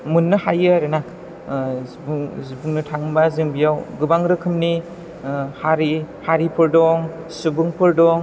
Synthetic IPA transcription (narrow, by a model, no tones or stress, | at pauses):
munːɯhajɯaɾena | zibuŋnɯtʰaŋbaziŋbijawɡɯbaŋɾɯkʰɯmni | haɾihaɾipʰɯɾdɔŋ | subɯŋpʰɯɾdɔŋ